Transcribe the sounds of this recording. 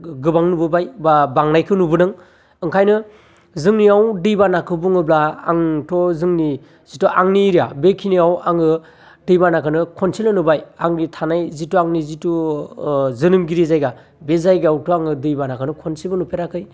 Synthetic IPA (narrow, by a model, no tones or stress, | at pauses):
ɡɯbaŋnubɯbajbabaŋnajkʰɯnubɯnɯŋ | ɯŋkʰajnɯ | zɯŋniawdɯjbanakʰɯbuŋɯblaa̰ŋtɔzɯŋni | z̥itɔʔaŋniɾijabekʰiniawaŋɯ | dɯjbanakʰɯnɯkʰɔnsilɯnɯbajaŋɡitʰanajzituaŋnizitu | zɯnɯmɡiɾizajɡa | bezajɡawtʰɔaŋɯdɯjbanakʰɯnɯkʰɔnsilbɯnupʰeɾakʰɯj